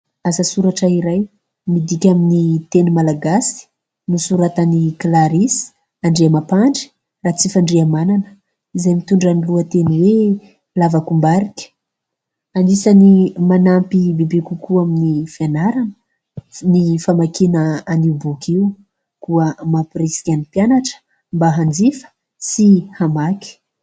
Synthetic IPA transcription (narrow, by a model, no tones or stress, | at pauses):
azasuɾaʈ͡ʂəiɾaj | mid̪ikʲaminit̪enumalaɡasi̥ | nisuɾat̪aniklaɾisi̥ | aɳɖ͡ʐeamapaɳɖ͡ʐi̥ | raːt͡sifaɳɖ͡ʐeamananə̥ | izajmit̪uɳɖ͡ʐaniluət̪eniwe | lavakumbaɾikʲə̥ | anisanimanampibebekukuaminifianaɾanə̥ | nifamakinəaniubukʰiw | kuəmapresi̥kʲanipjanaʈ͡ʂə̥ | mbaɦand͡zifə̥ | sihamaki̥